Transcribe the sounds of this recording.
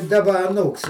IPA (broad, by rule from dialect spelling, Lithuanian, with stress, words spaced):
dɐˈbɐ ɐˈnuːks